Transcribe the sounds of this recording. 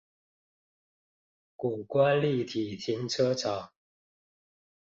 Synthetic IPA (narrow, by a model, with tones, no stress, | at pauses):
ku˨˩kwa˥˦nli˥˨t̪ʰi˨˩t̪ʰi˧˥ŋʈ͡ʂʰɤ˥˦t͡sʰɑ˨˩˦